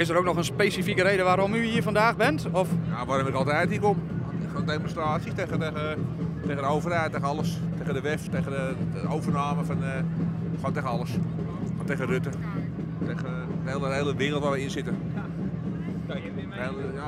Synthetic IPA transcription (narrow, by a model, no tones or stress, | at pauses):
ɪsəɾoːknɔxənspeːsifikəɾejdəʋaːɾɔmyhiːfɔndaːxbɪntɔfjaʋaːɾomɪkɑlˠtɛjthikom | ɪondejmonstraːsjiteəəteɣəndəowvərhɛjtːeːɣəɑləsteːɣəndəʋɛfteːɣədəowvərnaːməfɔn | fɔnteɣənɑlˠəs | nteɣərøtə | teɣə | elˠəɦeːlˠəʋɪːrl̩ˠtʋaːʋɛɪnsɪtə | eləja